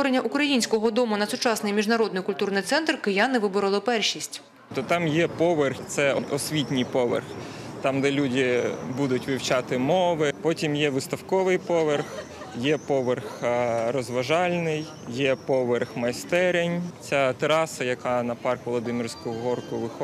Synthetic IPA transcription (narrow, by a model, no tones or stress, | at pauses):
ɔɾenʲːɐʔukɾɐjinʲsʲkɔɦɔd̪ɔmʊnɐsʊt͡ʃɑsnɪjmʲiʒnɐɾɔd̪nɪjkʊlʲt̪urnɪjt̪sɛnt̪rkɪjanɪʋɪbʊɾɐlˠɔpɛrʃisʲtʲ | t̪ɔt̪ɑmjɛpɔʋerxt̪sɛɔɔsʲʋʲitʲnʲijpɔʋḛrx | t̪ɑmd̪ɛlʲudʲɪbud̪ʊtʲʋʲiwt͡ʃɑt̪ɪmɔʋɪpɔtʲimjɛʋɪst̪ɐwkɔʋɪjpɔʋerx | jɛpɔʋerxɾɔzʋɐʒɑlʲnɪj | jɛpɔʋerxmɐjst̪ɛɾʲenʲt͡sʲat̪ɾɑsɐjɐkɑnɐpɑrkʋɔlˠɔd̪ɪmʲirsʲkʊʊɦɔrkʊʋɪxɔ